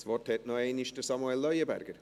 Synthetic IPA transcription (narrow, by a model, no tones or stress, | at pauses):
svɔrthɛtnɔeːniʃtəsamuɛlːœjəbæ̰ɾɡəɾ